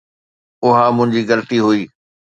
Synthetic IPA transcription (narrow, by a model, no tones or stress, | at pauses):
ʊɦamʊ̃ɦɪ̃ɲd͡ʑiɣɐlət̪iɦuiː